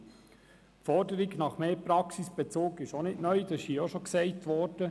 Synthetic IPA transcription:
fɔɾdəɾɪɡnɑχmeːpɾɑksisb̥ɛt͡soːkɪʃonɪtnœʏd̥ɑsijoʃoksɛɪtʋɔɾd̥ə

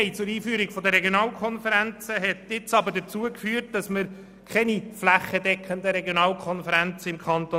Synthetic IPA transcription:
ɪt͡sʊɾiːfyːəɾiɡ̥fɔd̪əɾɛɡjonɑːlkʰχɔnfəɾænt͡səɦɛtɪt͡sɑbəɾdət͡suəkfyːrt̚d̥ɑsməɾ | kχɛniflæχədɛkʰχənd̪əɾɛɡjonɑːlkʰχɔnfəɾænt͡səɪmkʰχɑnt̪o

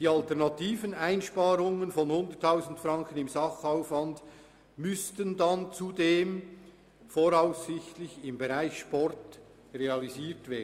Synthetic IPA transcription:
d̥iːɑltɛɐnɑtiːvənaɪnʃpɑːɾʊŋənfɔnhʊndətʰːaʊzn̩tfrɑŋkənɪmzɑχaʊfvɑnd | mʏstəndɑnt͡sudeːm | foːɾaʊsːɪçtlɪçɪmbeʁaɪçʃpɔɾt | reɑliziːtv̥eːdn

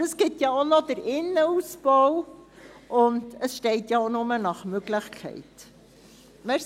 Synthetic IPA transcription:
əsɡ̥ɪtjɑonɔdəɾɪnːəuːsb̥ɔw | ʔʊndəsʃtɛɪtjɑonʊmənɑχmøɡlɪχkʰɛ̰ɪt | mɪ

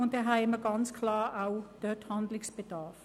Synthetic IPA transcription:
ʊndɛɦajməɡanskʰlɑːʔawd̪̥øːthand̪lɪŋsb̥əd̪ɑːf

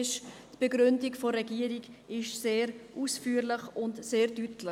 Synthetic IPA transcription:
ɪʃtb̥əɡɾʏndiɡfoɾɛɡiːəɾiɡɪʃseːɾʔuːsfyːɾlɪχʊntseːɾdytʰlɪ

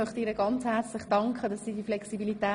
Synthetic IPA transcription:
œχtəiːɾəɡ̥ɑnt͡shɛrt͡slɪχd̥ɑŋkχədɑsːiːdiflɛksibilitɛː

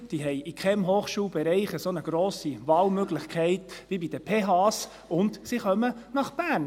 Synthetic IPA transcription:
d̥iːɦɛɪʔikʰɛmɦoːχʃuːlbɛɾɛɪχəsonəɡ̥ɾoːsivɑːlmøɡlɪχkʰɛɪtʋibid̥əpʰeːɦɑs | ʊndsiχœmənɑχb̥æːɾn

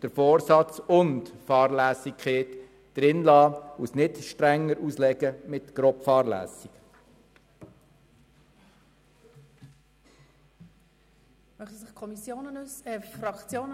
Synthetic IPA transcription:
d̥əɾfoːɾsɑt͡sʊntfɑːɾlæːsikʰχeːt | d̥ɾɪnlɑːusnɪtʃtɾɛŋːəɾuːslɛɡəmɪtɡ̥ɾɔpfɑːɾlæ̰ːsik | mœχtəsɪχkʰɔmisjoːnənusɛfrɑkt͡sjoːn

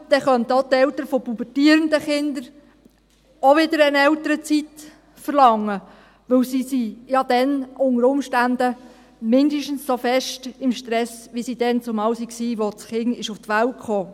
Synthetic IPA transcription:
d̪̥ɛχœntot̪ɛwt̪əɾfɔpubətiːɾənd̪əχɪnd̪əɾ | ɔʋɪd̪əɾənɛwt̪əɾət͡sit̪ | fəɾlɑŋːə | ʋɵwsisijɑd̥̪ɛnʔʊŋəɾʊmʃtænd̥̪ə | mɪnd̪əʃtən̩ssofɛʃtɪmʃtɾɛsʋisid̥ɛnt͡sʊmɑwsiksiːʋɔt͡sχɪŋɪʃʊft̪ʋæwtkχoː

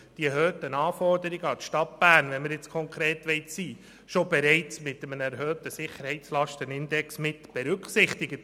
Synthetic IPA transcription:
d̥iɛɦøːtənɑːfɔrdəɾɪɡəɑtʃtɑt̚b̥æːɾnʋɛnmɪɾjɪt͡skʰɔŋkʰɾeːtʋɛɪtsiː | ʃobɛɾɛɪt͡smɪtːəmənɛɾɦøːtəsɪχəɾhɛɪtslɑʃtənɪndɛksmɪtb̥ɛɾʉkχsɪχtɪɡət

